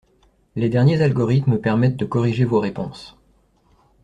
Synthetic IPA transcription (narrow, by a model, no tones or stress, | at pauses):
led̪ɛʁnjezalɡɔʁit̪məpɛʁmɛt̪̚d̪əkɔʁiʒevoʁepɔ̰̃s